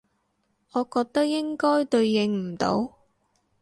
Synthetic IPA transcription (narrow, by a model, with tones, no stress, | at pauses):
ɔː˨˧kɔː˧k̚t̪ɐ˥k̚jɪ˥ŋkɔː˥jt̪ɵ˧ɥjɪ˧ŋm̩˨˩t̪o̰˨˧˥w